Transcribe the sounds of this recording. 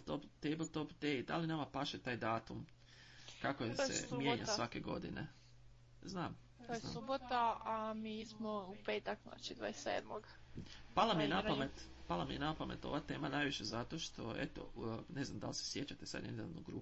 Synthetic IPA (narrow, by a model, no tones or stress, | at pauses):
t̪opt̪ejblˠt̪opd̪eid̪a̰linamapaʃet̪aːjd̪aːt̪um | kakojesḛmjeːɲa̰sʋake̞ɡo̞̰d̪ḭnḛ | znaːm | t̪ojenasubot̪aamiːsmoupeːt̪akzna̰t͡ʃid̪ʋa̰esḛːd̪moɡpalˠamienapamet̪ | palˠamienapame̞̰t̪o̞̰ʋat̪e̞ːmanajʋiʃe̞zat̪o̞ʃt̪ʰo̞ḛt̪o̞̰ne̞znamd̪a̰lse̥sje̞t͡ɕat̪e̞sa̰d̪nennuɡɾṵ